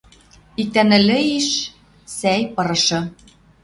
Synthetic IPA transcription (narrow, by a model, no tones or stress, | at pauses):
ik̚t̪ænɘ̆lɘ̆iʃ | sæjpɤ̆ɾɤ̆ʃɤ̆